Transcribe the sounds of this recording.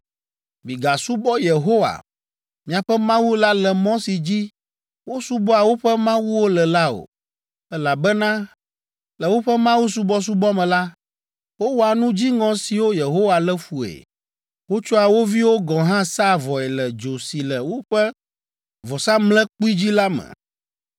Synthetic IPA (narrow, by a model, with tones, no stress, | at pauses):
mi˨ɡa˨su˦bɔ˦je˨ɦo˦wa̰˨ | mĩ˨a˨ɸɛ˦mã˦wu˦la˦lɛ˨mɔ̃˦si˨d͡ʑi˦ | wo˦su˦bɔ˦a˨wo˦ɸɛ˦mã˦wu˦wo˦lɛ˨la˦o̰˨ | ɛ˦la˨bɛ˦nã˦ | lɛ˨wo˦ɸɛ˦mã˦wu˦s̬u˦bɔ˦s̬u˦bɔ˦mɛ̃˨la˦ | wo˦wo˦a˨nũ˦d͡ʑi˦ŋɔ̃˨si˨wo˦je˨ɦo˦wa˨lɛ˦fu˨ḛ˨ | wo˦t͡ʃɔ˦a˨wo˦vi˦wo˦ɡɔ̃˨ɦã˦sa˦vɔ˨ɛ˨lɛ˨d͡ʒo˨si˨lɛ˨wo˦ɸɛ˦ | vɔ˨sa˦mlɛ̃˦k͡pu˦i˦d͡ʑi˦la˦mɛ̰̃˨